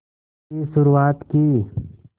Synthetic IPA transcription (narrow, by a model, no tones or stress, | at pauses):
isʊɾuaːt̪kiː